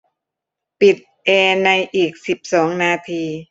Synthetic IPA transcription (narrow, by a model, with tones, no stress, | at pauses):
pi˨˩t̪̚ʔeː˧na˧jʔiː˨˩k̚si˨˩p̚sɔː˩˦ŋnaː˧t̪ʰiː˧